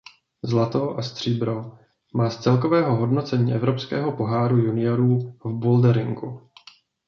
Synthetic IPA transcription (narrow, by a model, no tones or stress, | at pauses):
zlat̪oʔast̪r̝̥iːbɾo | maːst͡sɛlk̬o̞vɛːɦoɦo̞dno̞t͡sɛɲiːʔɛvɾo̞pskɛ̰ːɦo̞po̞ɦaːɾujunɪjoɾuːvboldɛɾɪŋɡu